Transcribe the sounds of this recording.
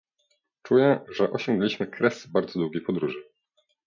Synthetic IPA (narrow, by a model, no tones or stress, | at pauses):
t͡ʂujɛʐɛʔɔɕɔŋɡnlʲiɕmɘkɾɛsbaɾd̪zɔd̪wuɡʲejpɔd̪ɾuʐɘ